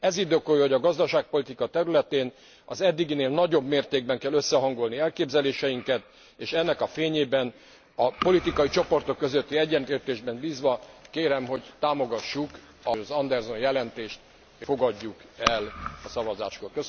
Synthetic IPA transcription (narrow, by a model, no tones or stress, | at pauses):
ɛzid̪øːkojho̞ɟɒɡɒzd̪ɒʃaːk̚po̞lit̪ikɒt̪ɛɾylɛt̪eːn | ɒ̰zɛd̪ːiɡineːlnɒɟo̞bmeːrt̪eːɡ̚bɛŋkɛløsːɛɦɒŋɡo̞lniɛlkeːbzɛleːʃɛjiŋkɛt̪ | eːʃɛnːɛkɒfeːɲeːbɛn | ɒpo̞lit̪ikɒjit͡ʃo̞po̞rt̪o̞kːøzøt̪ːiɛɟːɛnt̪leːrt̪eːʒbɛnbiːzʋɒkeːɾɛmɦo̞ɟt̪aːmo̞ɡɒʃːuk | ɒɒzɒnd̪ɛrzo̞njɛlɛnt̪eːʃt̪ | efo̞ɡɒɟːukɛlɒsɒvɒzaːʃkoːlkøs